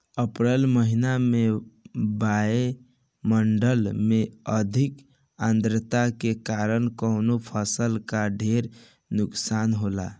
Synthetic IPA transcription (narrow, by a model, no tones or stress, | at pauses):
əpɾəlməɦinamebae | məɳɖəlmeəd̪ʱik | ãnd̪ɾət̪akekaɾənkəʊnopʰəsəlkaɖʱeɾ | nuksanɦola̰